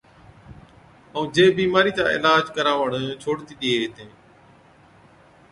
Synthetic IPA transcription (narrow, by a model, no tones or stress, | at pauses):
əũːd͡ʒeːbiːmaːɾiːt̪ã̰ːɪ̰laːd͡ʒkəɾaːʋəɳt͡ʃʰoːɽt̪iːɗ̪ieːt̪ẽː